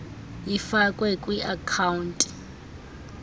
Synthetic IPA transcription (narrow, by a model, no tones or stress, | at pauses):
jifakʼwɛkʼwiʔakʰawuntʼi̥